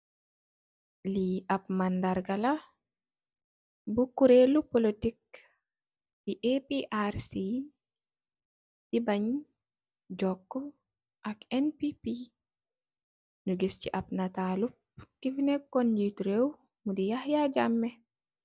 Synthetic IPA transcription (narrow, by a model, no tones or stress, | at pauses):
liʔap̚mandaɾɡala | bukuɾelupolitik̚ | biʔepiʔaɾsi | dibaɲ | d͡ʒɔkːɔ | ʔakɛnpipi | nuɡist͡ʃiʔap̚natalup̚ | kivinɛkːonditɾew | mudijahjad͡ʒamːɛ